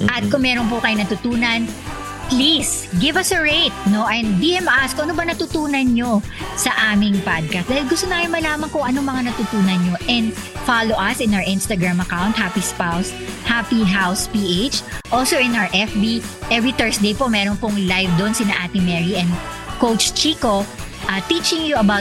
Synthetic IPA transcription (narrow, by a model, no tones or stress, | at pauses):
ʔɐt̪̚kʊŋmɛːɾonp̬ʊkɐjonɐt̪ʊt̪uːnɐn | plis | ɡɪvɐsɐɹejt̪̚noʔɐnd̪ihɛmɐʔaskoʔɐnobɐnɐt̪ut̪uːnɐnɲo̞sɐʔaːmɪŋpad̪̚kast̪aːhɪlɡʊst̪onajonmɐlaːmɐnkʊŋʔɐnomɐŋanɐt̪ut̪uːnɐnɲo̞ʔɛnd̪faloʔɐsɪ̃nawə˞ʔɪ̃nst̪ɐɡɹamɐkawnt̪̚hapispaws | hapiɦawspiʔejt͡ʃʔolsoʔɪ̃naə˞ʔɛfbi | ʔɛvɹit̪ɛɹsd̪ejpomɛɾonpʊŋlajvd̪onsinɐʔaːt̪ɪŋmɛɹiʔɛ̃nd̪ | kowt͡ʃt͡ʃiːko | ʔɐt̪it͡ʃɪŋjuɐbawt̚